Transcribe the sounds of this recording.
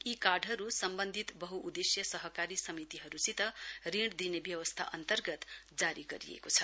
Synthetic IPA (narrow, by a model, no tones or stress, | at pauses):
ikarɖʱɦʌɾusʌmbʌnd̪ʱit̪bʌɦuʔud̪esjʌsʌɦʌkaɾisʌmit̪iɦʌɾusit̪ʌriɽd̪inebjʌwʌst̪ʰa̰ʔʌ̰nt̪ʌrɡʌt̪d͡zaɾiɡʌɾḭḛkot͡sʰʌ